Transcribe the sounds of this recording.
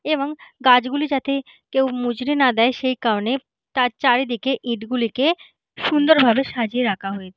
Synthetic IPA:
eboŋɡad͡ʑɡulid͡ʑat̪e | kewmud͡ʑɾinad̪ɛeʃejkaɾone | t̪aɾt͡ɕaɾed̪ikeʔiʈɡulike | ʃund̪oɾbʱabeʃad͡ʑieɾakʰaɦojet͡ɕʰe̥

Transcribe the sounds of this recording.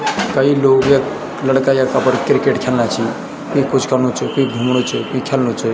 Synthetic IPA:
kəiloɡje | ləɽkajakapəɾkɾikeʈkʰelnat͡ʃʰi | kiikut͡ʃʰkəɾnut͡ʃʰəkuiɡʱumɽ̃ut͡ʃʰəkuikʰelnut͡ʃʰə

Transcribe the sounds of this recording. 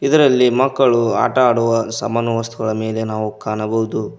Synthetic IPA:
id̪ɐɾɐlːimɐkːɐɭua̰ːʈɐaːɽɔʋɐsɐmɐnuʋɐst̪ʰuɡɐɭɐme̞ːle̞naːʋukaːɳɐbɐɦud̪u

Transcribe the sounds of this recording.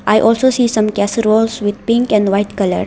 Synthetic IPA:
ʔajʔɔːlsoːsiːsʌ̃mkɛsɾoːlsʋɪd̪̚pɪ̃ŋkɛ̃ɳɖʋaɪʈkʌlə̰ɾ

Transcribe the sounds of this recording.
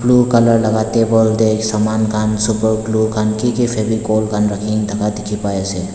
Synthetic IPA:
pluːkələɾlɐɡaːt̪ebəld̪eːksaːmaːnkʰansʊpəɾplukʰankikipʰebikoːlkʰanɾɐkʰiːnd̪ʰʱɐkad̪ɪkʰipaːjeseː

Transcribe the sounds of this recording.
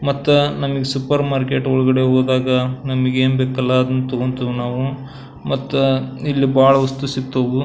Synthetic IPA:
mɐt̪ːunɐmɐɡesupɐɾmaːɾkeːʈɔɭuɡɐɽeɦoːɡd̪aːɡɐnɐmɐɡeːnbeːkɐlːɐːd̪ɐnːut̪oɡont̪unaːʋu | mɐt̪ːuilːibaːɭɐɐst̪usit̪ːoːɡu

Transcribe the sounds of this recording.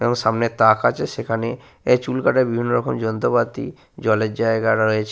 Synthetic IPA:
ebɔŋʃamnet̪akʰat͡ɕʰeʃekʰane | et͡ɕulkaʈaɾbibʱinːoɾɔkʰomd͡ʑɔnt̪opat̪ḭ | d͡ʑɔled͡ʑaeɡaɾaɾoet͡ɕʰ

